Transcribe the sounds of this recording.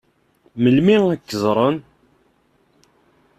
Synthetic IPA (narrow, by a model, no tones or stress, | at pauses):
məlmiŋækːəzˤɾˤən